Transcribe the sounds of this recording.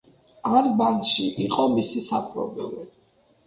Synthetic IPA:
aɾbanʃiʔiqʼɔmisisapʰɾɔ̰bɛli

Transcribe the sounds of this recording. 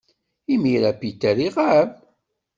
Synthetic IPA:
imiɾæpit̪ːəɾiʁav

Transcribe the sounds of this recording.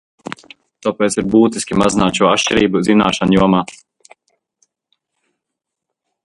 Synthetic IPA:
t̪upeːt̪siɾbuːt̪iskʲimazinaːt̪ʃuɔaʃt͡ʃɛɾiːbuzina̰ːʃanjuɔmaː

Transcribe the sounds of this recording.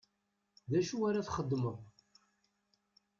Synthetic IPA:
ðæʃuaɾaθχəd̪ːməʁ

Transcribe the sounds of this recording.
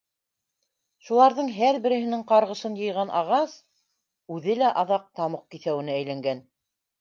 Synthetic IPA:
ʃulˠɑɾðɤɴɦæɾbɘ̆ɾɘ̆ɦɘ̆nɘɴqɑɾʁɤ̆ʃɤnjɤ̆jʁɑnʔɑʁɑs | ʉðɘlæʔɑðɑq̚t̪ɑmɤq̚kiθæwɘ̆nɘæjlæŋɡæn

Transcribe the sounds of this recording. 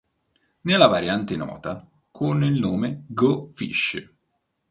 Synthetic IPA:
nelːavaɾjant̪enɔ̰ːt̪a | kʰonːilnoːmeɡofḭʃː

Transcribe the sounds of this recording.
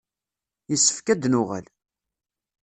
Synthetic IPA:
jəsːə̥fkæd̪nʊʁæ̰l

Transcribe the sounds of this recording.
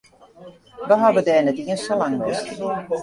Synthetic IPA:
ʋəɦaʋədɛːnɛtiənsolaŋʋɪst

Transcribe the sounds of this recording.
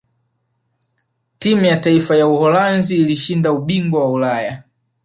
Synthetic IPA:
timujataifajauhɔlanziːliʃindauɓiŋɡwawaulaja

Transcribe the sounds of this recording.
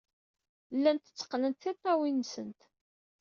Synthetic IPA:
lːænt̪ə̥t͡sːə̥qːlənt̪θit̪ːɑwinsənt̪

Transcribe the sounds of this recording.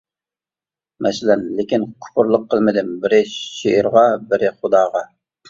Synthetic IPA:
mʔɛsɪlɛnlɪkʲinkʰʊ̥pʊɾlˠəqʰːəlˠmɪd̪ɪmbɪɾɪʃeɪɾʁɑbɪɾɪχʊd̪ɑːʁɑ

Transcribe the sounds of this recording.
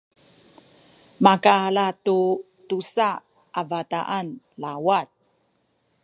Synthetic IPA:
makalatu | tusa | ʔavata̰ʔan | lawat̚

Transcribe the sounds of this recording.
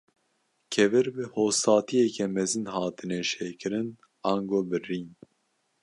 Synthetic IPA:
kʰɛvɨɾbɨhoːsɑːt̪ʰijɛkʰɛmɛzɨnhɑːt̪ɨnɛʃeːkʰɨɾɨn | ɑːŋɡoːbɨriːn

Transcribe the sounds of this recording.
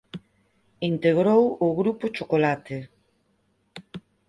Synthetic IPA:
int̪eɣ̞ɾowʊɣɾupʊt͡ʃokolat̪e

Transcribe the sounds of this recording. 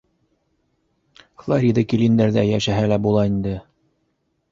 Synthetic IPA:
flˠaɾʲid̪ɤkilind̪æɾðæjæʃæɦælæbulˠɑind̪ɘ

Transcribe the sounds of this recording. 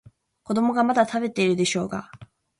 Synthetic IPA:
ko̞d̪o̞mo̞ɡamad̪at̪abe̞t̪e̞iɾɯ̟d̪e̞ɕo̞ːɡa̰

